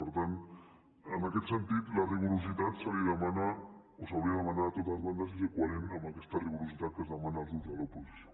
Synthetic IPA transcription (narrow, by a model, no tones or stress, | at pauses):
poɾt̪an | anaket̪se̞nt̪it̪lariβuɾos̬it̪at̪saliðamana | osawβieðamand̪aat̪ot̪azβand̪as̬isekwaɾenamakest̪ariβuɾosit̪at̪kezðamanazðut̪alawposes